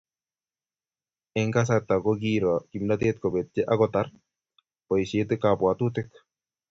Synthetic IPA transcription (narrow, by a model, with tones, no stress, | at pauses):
ɛ˨ŋka˦s̬at̪ːa˨kɔki˦ɾɔki˨mna˦t̪e˦t̪̚kɔ˨bet̪̚t͡ʃe˦ʔa˦kɔta˦r | pɔ˨i˨se˦t̪̬ekːa˨pwa˨t̪ut̪ɪk